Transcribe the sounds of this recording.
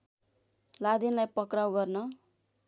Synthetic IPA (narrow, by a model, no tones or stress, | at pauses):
lad̪inlajpʌkrawɡʌrnʌ